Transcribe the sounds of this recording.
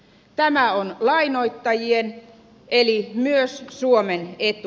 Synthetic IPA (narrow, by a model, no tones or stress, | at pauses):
t̪æmæonlɑinoit̪ːɑjien | elimyøssuomenet̪u